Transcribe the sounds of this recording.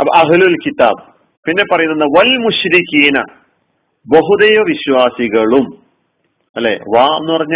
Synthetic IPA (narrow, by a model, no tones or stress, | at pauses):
ɐɐɦlulkit̪ːa̰ːb | pinːe̞pːɐrɐjunːɐnːɐʋɐlmuɕɾikiːnɐ̰ | boɦud̪ɐjoʋiɕwaːsiɣɐɭum | ɐlːḛːʋaːenːupɐrɐɲːa